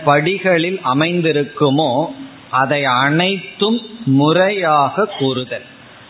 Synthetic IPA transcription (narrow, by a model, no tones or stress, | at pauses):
pɐɽɪɣɐɭɪlʔɐmɐɪnd̪ɪɾɯkːɯmoː | ʔɐðɐɪɐɳɐɪt̪ːɯmːʊrɐjaːɣɐkːuːrɯðɐl